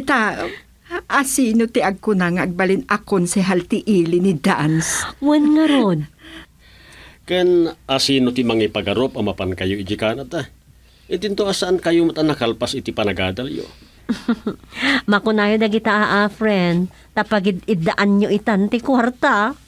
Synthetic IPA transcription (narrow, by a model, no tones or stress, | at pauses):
t̪a | ʔasiːnot̪ɪʔaɡ̚kʊnaŋaʔɐɡ̚balɪnakonsɛɦalt̪ɪʔiːlɪnɪd̪answanŋɐɾon | kɛnʔasiːnot̪imɐŋipɐɡɐɾopɐmɐpankɐjoɪd͡ʒɪkaːnat̪a | ʔɪd̪ɪnt̪oʔasaʔankɐjomat̪ɐnɐkalpasɪt̪ipɐnɐɡaːd̪ɐljo̰ | mɐkʊnaːjod̪ɐɡɪt̪aʔaʔafɾɛnd̪ | t̪ɐpɐɡɪd̪ɪd̪ɐʔanɲoʔɪt̪ant̪ɪkwaɾt̪a